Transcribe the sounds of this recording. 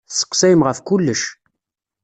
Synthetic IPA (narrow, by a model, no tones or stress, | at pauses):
θsə̥qːsæjəmʁəfkʊlːəʃ